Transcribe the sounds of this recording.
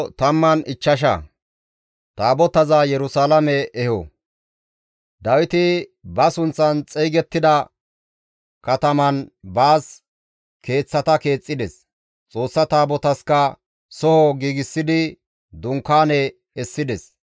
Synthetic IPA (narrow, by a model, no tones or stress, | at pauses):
t̪ɐmːɐnɪt͡ʃːɐʃ̬ɐ̰ | t̪aːbɔt̪ɐzajɛɾʊsaːlɐmɛɛhɔ | d̪ɐwɪt̪ɪbɐsʊnt͡sːɐnt͡sʼɛjɡɛt̪ːɪd̪ɐ | kɐt̪ɐmɐnbaːs | ke̞ːt͡sːɐt̪ɐke̞ːt͡sʼːɪd̪ɛs | t͡sʼo̞ːsːɐt̪aːbɔt̪ɐskɐ | sɔhɔɡiːɡɪsːɪd̪ɪ | d̪ʊŋkːaːnɛ | ɛsːɪd̪ɛs